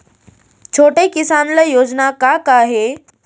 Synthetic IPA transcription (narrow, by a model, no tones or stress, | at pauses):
t͡ʃʰoʈekisanləjod͡ʑnakakaɦe